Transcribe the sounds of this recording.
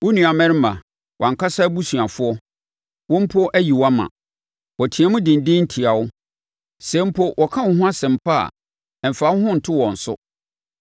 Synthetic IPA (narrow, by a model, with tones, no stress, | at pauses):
wʊ˦nũ˨a˨mɛ̃˦ɾɪ˦mã̰˨ | wʔɔ̰̃˨ŋ˨kʰa˦sa˦bu˦sɥ̃a˨fʊ˦ɔ˦ | wɔ̃˦m̩˦pʰɔ˦ʔæ˦ji˨wa˦mã̰˨ | wɔ˨tʰĩ˨ã˦mʊ̃˦dɪ̃˨n̩˨dɪ̃˦n̩˦tʰi˨a˨wʊ˦ | sɛ̃˨˦m̩˦pʰɔ˦wʔɔ˨kʰã˦wʊ̃˨˦ɦʊ̃˦a˦sɛ̃˨m̩˨pʰa̰˦˨ | ɛ˨m̩˨fa˨˦hʊ̃˦n̩˨tʰʊ˦wɔ̃˨n̩˨sʊ̰˦